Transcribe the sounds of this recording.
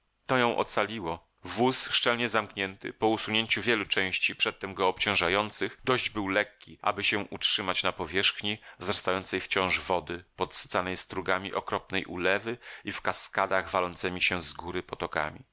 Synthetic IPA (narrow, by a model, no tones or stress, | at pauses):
t̪ɔjɔ̃ʔɔ̰t̪salʲiwɔ | vusʂt͡ʂɛlɲɛzamkɲɛnt̪ɘ̰pɔusuɲeɲt͡ɕuvʲjɛlut͡ʂɛ̃w̃ɕt͡ɕipʂɛt̪ːɛmɡɔːpt͡ɕɔ̃w̃ʐajɔnt̪sɘxd̪ɔʑd͡ʑbɘwlɛkʲːiʔa̰bɘɕɛʔutʂɘmat͡ɕnapɔvʲjɛʂxɲivzɾast̪ajɔnt̪sɛjft͡ɕɔ̃w̃ʐvɔd̪ɘpɔt̪sɨ̥t̪sanɛjst̪ɾuɡamʲiʔɔkɾɔpnɛjʔṵlɛvɘifkaskad̪aɣvalɔnt̪sɛmʲiɕɛ̃zɡuɾɘpɔt̪ɔka̰mʲḭ